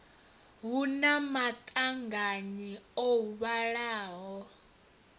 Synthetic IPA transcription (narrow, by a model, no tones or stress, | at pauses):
βunamatʼaŋɡaɲiouβaɺaːɦɔ